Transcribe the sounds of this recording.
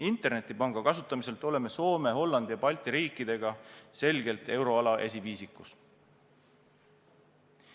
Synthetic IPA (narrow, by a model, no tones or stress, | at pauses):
int̪ˑe̞rne̞t̪ːˑipɑŋɡ̥ɑkɑsut̪ːˑɑmise̞lt̪ˑo̞le̞me̞so̞ːme̞ɦo̞lːɑnd̪̥ijɑpɑlʲt̪ˑiɾiːkːˑid̪̥e̞ɡ̥ɑse̞lɡe̞lt̪e̞wɾo̞ɑlɑʔe̞s̬ʲiviːsikːˑus